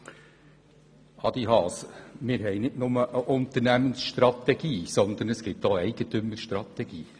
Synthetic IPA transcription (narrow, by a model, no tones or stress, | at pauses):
ɑd̪ihɑːsmɪːɾɦɛɪnɪtnʊməʔəʔʊnt̪əɾnæmənsʃt̪ɾɑt̪ɛɡ̥iːsɔnd̪ənəsɡ̥ɪtdoːɛɪɡ̥ət̪ɵmːəɾʃt̪ɾɑt̪ɛɡ̥iː